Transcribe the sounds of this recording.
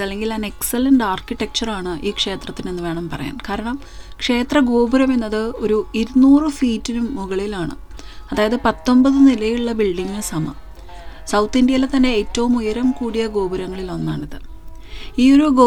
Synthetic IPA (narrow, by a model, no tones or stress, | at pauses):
ɐlːe̞ŋɡilɐnekselɐnɖaːrkiʈːek̚t͡ɕɐraːɳɨʔiːkʂe̞ːt̪rɐt̪ːinenːɨʋe̞ːɳɐmpɐrɐ̰ja̰ːnkaːɾɐɳɐm | kʂe̞ːt̪rɐɡo̞ːbuɾɐme̞nːɐðɨo̞ɾuiɾunuːrɨfiːtːinumːuɣɐɭilaːɳɨ̰ | ɐðaːjɐðɨpɐt̪ːo̞mbɐðɨnilɐjuɭːɐbiɭɖiŋːɨsɐmɐ̰ | sɐwt̪ːindjɐjilet̪ɐnːe̞eːtːɐʋumujɐɾɐmkuːɽijɐɡo̞ːbuɾɐŋːɐɭilo̞nːaːɳiðɨ | iːo̞ɾuɡoː